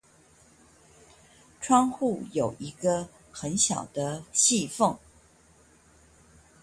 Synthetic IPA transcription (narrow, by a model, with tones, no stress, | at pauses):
ʈ͡ʂʰwɑ˥ŋxu˥˩jo˨˩ʊʔi˧˥ɡə˧ | xə˧˥nɕjɑ̰˨˩ʊd̪ə˦ɕi˥˧fɤ˥˩ŋ